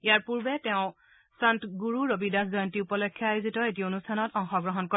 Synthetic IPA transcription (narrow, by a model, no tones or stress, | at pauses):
ijaɹpuɹbɛtɛʊ̃ | santɡuɹuɹobidaszɔjɔntiupɔlɔkʰːjaajuzitɔetionustʰanɔtɔŋxɔɡɹɔɦɔnkɔ